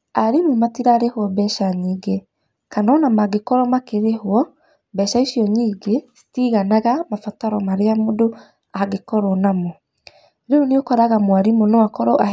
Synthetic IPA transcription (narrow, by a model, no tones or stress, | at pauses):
aɾimumatiɾaɾehwɔbɛʃaɲiːɡe | kanɔnamaɡekɔɾɔmakeɾehwɔ | bɛʃaisjɔɲiːɡesi̥tiɣanaɣamafataɾɔmaɾeamodo | aɡekɔɾɔnamɔ | ɾeoneokɔɾaɣamwaɾimonɔakɔɾɔʔa